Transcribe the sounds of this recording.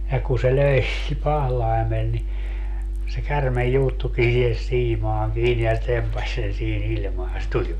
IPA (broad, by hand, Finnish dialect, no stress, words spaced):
jɑ ku se løi pɑhlɑi̯mel ni se kærmej juːtːuki sihes siːmɑːŋ kiːni se tempɑsʲ sen siːn ilʲmɑːn se tulʲ